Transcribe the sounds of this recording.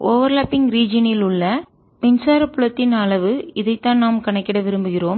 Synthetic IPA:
ʔoːʋɐɾlaːpːɪŋɡɾiːd͡ʒɐnɪlʊɭːɐ | pɛnsaːɾɐpːʊɭɐt̪ːɪnɐɭɐʋɯɪðɐɪt̪ːãːnaːmkɐɳɐkːɪɽɐʋɪɾɯmbɯɣɪɾoːm

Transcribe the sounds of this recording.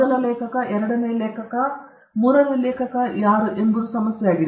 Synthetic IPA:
ɐnɐleːkʰɐkːɐʔeɾɐɽɐnejleːkʰɐkːɐ | muːɾɐnɐileːkʰɐkːɐjaːɾuʔend̪uɾusɐmɐsjɐjaːɡiɾ

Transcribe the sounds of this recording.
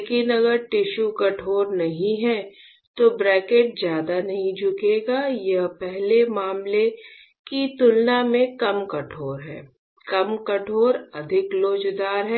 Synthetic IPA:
lekɪnɐɡəɾʈɪʃukɐʈʰoːɾnɐɦĩɦɛ̃ | t̪obɾɛːkeːʈ̚zjaːd̪anɐɦĩd͡ʒʊkeːɡajɐɦpɛɦlemaːmle | kit̪ʊlnamẽkɐmkɐʈʰoːɾɦɛ̰̃ː | kɐmkɐʈʰoːɾɐd̪ʱɪkloːd͡ʒd̪aːɾɦɛː

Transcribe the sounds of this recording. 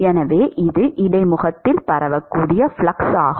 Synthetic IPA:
ɛnɐʋeːʔɪðɯʔɪɽɐɪmʊɣɐt̪ːɪlpɐɾɐʋɐkːuːɽɪjɐfɭɐksaːɣ

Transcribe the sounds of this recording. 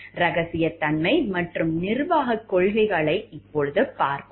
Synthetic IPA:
ɾɐɣɐsɪjɐt̪ːɐnmɐɪmɐʈrɯmnɪrʋaːɣɐkːɔɭɣɪɣɐɭɐɪɪpːɔɻɯðɯpaːɾpɯ

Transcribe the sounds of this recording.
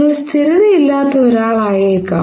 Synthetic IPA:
ɐɭst̪ʰiɾiðiilːaːt̪ːɐoɾaːɭaːjɐkːa̰

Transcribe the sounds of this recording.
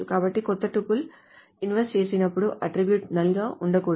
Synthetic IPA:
ukaːbɐʈːikɔt̪ːɐʈupːul | inʋɐsʈt͡ʃe̞ːsinɐpːuɽuʔɐʈɾibjuʈnɐlɡaːʔuɳɖɐkuː

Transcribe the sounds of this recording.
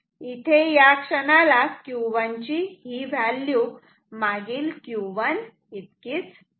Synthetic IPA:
it̪ʰejakʂənalakjuʋaɲt͡ɕiɦiʋʱalːju | maɡiːlkjuʋən | it̪kiːt͡s

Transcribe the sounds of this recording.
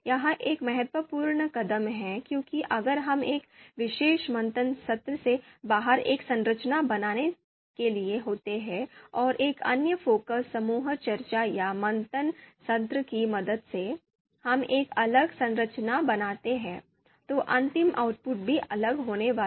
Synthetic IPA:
jɐɦãʔeːkmɛɦət̪ʋəpuːɾɳəkɐd̪əmɦɛ̃kjõːkiʔɐɡəɾɦɐmeːkʋɪʃeːʃmɐ̃nt̪ənsɐt̪ɾəsebaːɦəɾeːksɐ̃nɾət͡ʃnabɐnaːne | kelieɦoːt̪eɦɛ̃ɔːɾʔeːkɐ̰njəfoːkəsːɐmuːɦt͡ʃɐɾt͡ʃajamɐ̃nt̪ənsɐt̪ɾəkimɐd̪əd̪se | hɐmeːkɐləɡsɐ̃nɾət͡ʃnabɐnaːt̪eɦɛ̃ː | t̪oʔɐ̃nt̪ɪma̰ʊʈ̚pʊʈ̚bʱiʔɐləɡɦoːneʋaː

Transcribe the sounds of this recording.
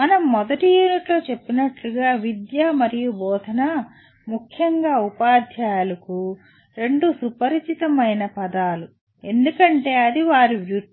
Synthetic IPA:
mɐnɐmːɔd̪ɐʈijuːniʈloːt͡ʃe̞pːinɐʈluɡaːʋid̪jaːmɐɾijubɔːt̪ɐnɐ | mukʰjɐŋɡaːupaːd̪ʱjaːlɐku | ɾe̞ɳɖusupɐɾit͡ʃit̪ɐmɐjnɐpɐd̪aːlu | e̞nd̪ukɐɳʈe̞ːɐd̪iʋaːɾiʋjuɾ

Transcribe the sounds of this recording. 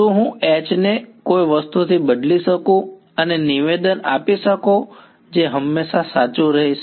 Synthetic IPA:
t̪ũɦũɛt͡ʃnekojʋəst̪ut̪ʰibəd̪liʃəkũ | əneniʋed̪əna̰piʃəko | d͡ʒeɦəmːeʃasat͡ʃũɾəɦiʃ

